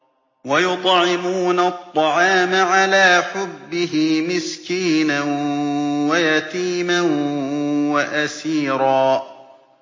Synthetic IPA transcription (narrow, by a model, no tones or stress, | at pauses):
wajʊt̪ˤʕɪmuuːnat̪ˤːɑʕɑːmaʕalaːħʊbːɪɦɪmɪskiːnan | wajat̪iːman | waʔasiːɾɑː